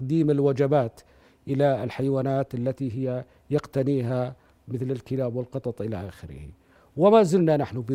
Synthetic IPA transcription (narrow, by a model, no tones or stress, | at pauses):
qd̪iːmɪlwad͡ʒabaːt̪ | ʔɪlaɪlħajwaːnaːt̪ʔalːat̪iɦɪjːa | jɪqt̪aniːɦa | mɪθlɪlkɪlaːbwɪlqɨt̪ˤɑt̪ˤʔɪla̰ʔa̰ːxɪɾɪ̰hḭ | wɪmaːzɪlnanaħnʊbɪ